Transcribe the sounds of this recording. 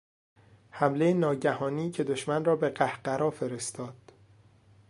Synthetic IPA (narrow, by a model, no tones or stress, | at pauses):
hæmle̞jenɒːɟæhɒːniːcʰe̞d̪oʃmænrɒːbe̞ɢæhɢæɾɒːfe̞ɾe̞st̪ɒːd̪̥